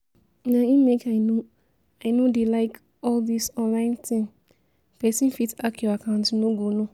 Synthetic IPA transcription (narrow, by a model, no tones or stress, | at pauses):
nãĩmekʰaɪno | aɪnodelaɪk | ɔldisɔ̃nlãɪ̃ntĩn | pɛsĩnfitakʰjuakʰãntnõɡonõ